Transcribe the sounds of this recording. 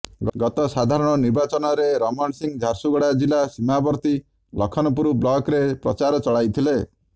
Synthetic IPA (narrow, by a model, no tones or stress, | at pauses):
ɡɔɡɔt̪ɔsad̪ʱaɾɔɽ̃ɔniɾbat͡ʃɔnɔɾeɾɔmɔɳsiŋd͡ʒʱaɾsuɡɔɽad͡ʒilasimabɔɾt̪i | lɔkʰɔnɔpuɾublɔkɾepɾɔt͡ʃaɾɔt͡ʃɔɭajt̪ʰile